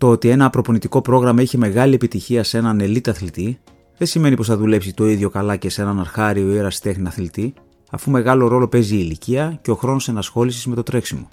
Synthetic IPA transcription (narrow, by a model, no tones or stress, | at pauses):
t̪o̞o̞t̪ie̞nɐːpɾo̞po̞nit̪iko̞pɾo̞ɣɾɐmɐiçe̞me̞ɣɐliepit̪içiɐse̞nɐne̞lit̪ɐθlit̪i | ðe̞sime̞nipo̞sθɐðule̞psit̪o̞iðʝo̞kɐlɐce̞se̞nɐnɐɾxɐɾio̞iɾɐst̪e̞xniɐθlit̪i | ɐ̰fume̞ɣɐlo̞ɾo̞lo̞pe̞ziːliciɐceo̞xɾo̞no̞sɐnɐsxo̞lisizme̞t̪o̞t̪ɾe̞ksimo̞̰